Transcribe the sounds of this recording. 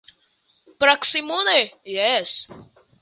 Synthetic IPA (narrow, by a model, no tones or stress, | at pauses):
pɾaksimunejɛs